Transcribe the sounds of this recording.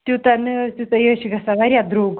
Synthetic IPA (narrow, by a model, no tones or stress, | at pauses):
t̪ʲut̪ant̪jut̪ajəɕiɡɐsaʋaɾʲjad̪ɾoɡ